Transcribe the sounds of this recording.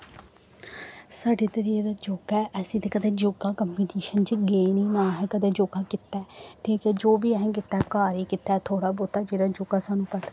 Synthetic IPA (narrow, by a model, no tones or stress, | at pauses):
saːɖeːt̪əɾiːeːd̪aːd͡ʒoːɡɛːʔɛsĩːt̪eːkəd̪eːd͡ʒoɡaːkəmbiʈeːʃənt͡ʃiɡeːniːnaːɦɛːkəd̪eːd͡ʒoːɡaːkɪt̪ːɛːʈʰiːkɛːd͡ʒoːbiːɛɦɛ̃ːkɪt̪ːaːkaːɾiːkɪt̪ːaːt̪ʰoːɽaːboːt̪aːd͡ʒeːɽaːd͡ʒoɡaːsaːnũːpət̪ː